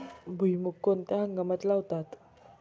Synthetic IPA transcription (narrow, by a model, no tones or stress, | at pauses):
bʱujmukːont̪jãɦaŋɡəmət̪lawt̪at̪